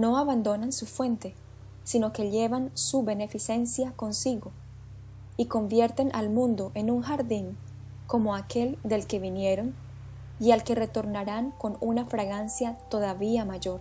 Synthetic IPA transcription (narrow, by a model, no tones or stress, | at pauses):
no̞aβand̪o̞nansufwe̞nt̪e̞ | sino̞ke̞ʎe̞βansuβe̞ne̞fise̞nsjako̞nsiɣo̞ | iko̞mbje̞ɾt̪e̞nʔa̰lmũnd̪o̞ʔe̞nuŋxaɾðiŋ | ko̞mo̞ake̞ld̪e̞lke̞βinje̞ɾo̞n | ialke̞re̞t̪o̞ɾnaɾaŋko̞nunafɾaɣansjat̪o̞ðaβiamaʝo̞ɾ